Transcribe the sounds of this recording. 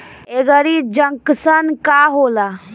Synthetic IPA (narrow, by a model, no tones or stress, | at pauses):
eɡəɾid͡ʒəŋksənkaːɦoːla